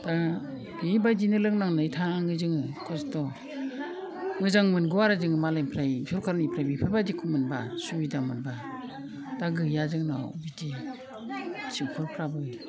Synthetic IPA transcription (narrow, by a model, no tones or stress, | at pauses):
d̥a | bibajdinɯlɯŋnaŋnɯjtʰaŋɯzɯŋɯkʰɔstɔ | ŋɯzaŋmɯnɡɯwaɾazɯŋɯmalajmpʰɾajsʰɔɾkʰaɾnipʰɾajbipʰɯbadikʰumɯnbasuidamɯnba | daɡɯjazɯŋnabidi | t͡ʃiŋpʰɯɾpʰɾabɯ